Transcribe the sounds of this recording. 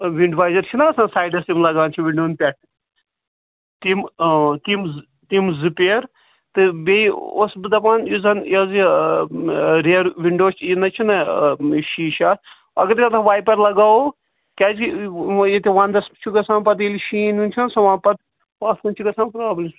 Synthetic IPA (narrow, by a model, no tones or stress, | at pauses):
ʋiɳɖʋaːjzɐɾt͡ʃʰinɐɐsãnsaːjɖɐsimlɐɡaːnt͡ʃʰiʋiɳɖoːnpʲɛʈ̚ | t̪imt̪imz | t̪imzɨpeːɾ | t̪ɨbeio̰sbɨd̪ɐpaːnjuzɐnjɐzi | ɾeːɾʋiɳɖoːt͡ʃʰinɐt͡ʃʰinɐʃiːʃaːt | ɐɡɐɾɐt̪ʰaʋaːjpɐɾlɐɡaːo | kʲad͡ʒjet̪ʲiʋaːnd̪ɐst͡ʃʰuɡɐsãːnpɐt̪̬iliʃiːnunʲt͡ʃʰɐnsɐʋãːnpɐt̪ | ʋaːt̪kunʲt͡ʃʰiɡɐsãːnpɾaːblʲim